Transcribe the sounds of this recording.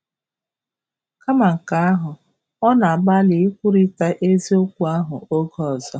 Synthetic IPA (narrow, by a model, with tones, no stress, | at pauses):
ka˦ma˨ŋ̩˨ka˨˦a˦ɦʊ˨ | ɔ˦na˨a˨ba˦lɪ˨ɪ˦kʷu˦ɾi˦ta˦ʔe˦zi˦o˦kʷu˦a˦ɦʊ˨o˦ɡɔ˦˨ɔ˨zɔ˦